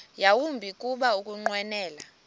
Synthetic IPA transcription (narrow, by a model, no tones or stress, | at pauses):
jawumbʱikʼuɓaukʼuŋ͡ǃwɛnɛːla